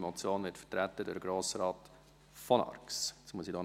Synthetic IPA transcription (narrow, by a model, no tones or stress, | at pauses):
mɔt͡sjoːnʋɪtfə̥tɾæt̪ːədʊdəɡɾoːsəɾɑːt | fɔnɑ̰rkssmuəsidɔː